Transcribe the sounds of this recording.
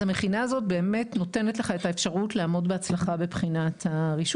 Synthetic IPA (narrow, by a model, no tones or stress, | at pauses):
ameχinazo̞t̚be̞ːme̞tno̞te̞netleχaetaefʃaʁutleaːmo̞dbeat͡slaχabepχinathaʁiʃ